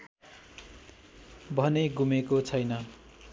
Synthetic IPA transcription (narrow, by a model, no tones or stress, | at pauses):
bʱʌneɡumekot͡sʰʌjnʌ